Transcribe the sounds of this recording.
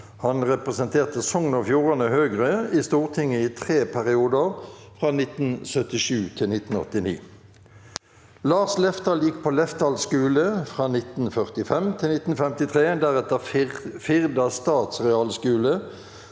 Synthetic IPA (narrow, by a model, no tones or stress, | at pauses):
hɑnʁɛpʁɛsənt̪ʰeːʁt̪əsɔŋnəfjuːʁɑnəhøːɡʁəiːst̪uːʁt̪ʰɪŋəiːt̪ʰʁeːpʰæʁɪuːd̪əʁfʁɑːnɪt̪n̩sœt̪ɪʃʉːt̪ʰɪlnɪt̪n̩ɔ̰t̪ɪnḭː | lɑːʁslɛft̪ɑljɪkːpʰoːlɛft̪ɑlskʉːləfʁɑːnɪt̪n̩fœʁt̪ɪfɛmt̪ʰɪlnɪt̪n̩fɛmt̪ɪt̪ʰʁeːd̪æʁɛt̪əfɪʁd̪ɑst̪ɑːt̪sʁɛɑlskʉːlə